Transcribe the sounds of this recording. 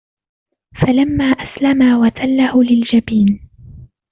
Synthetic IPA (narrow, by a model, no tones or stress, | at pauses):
falamːaːʔaslamaːwat̪ʰalːahʊlɪld͡ʒabiːn